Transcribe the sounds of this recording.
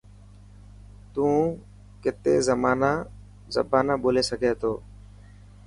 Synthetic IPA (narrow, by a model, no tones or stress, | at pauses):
t̪ũː | kɪt̪eːzəmaːnaː | zə̰bʱaːnaːɓoːleːsəɡʱeːt̪ʰoː